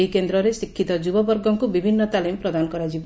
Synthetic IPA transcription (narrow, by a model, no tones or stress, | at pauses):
jkend̪ɾɔɾesikʰːit̪ɔd͡ʒubɔbɔɾɡɔŋkubibʱinːɔt̪alimpɾɔd̪anɔkɔɾad͡ʒib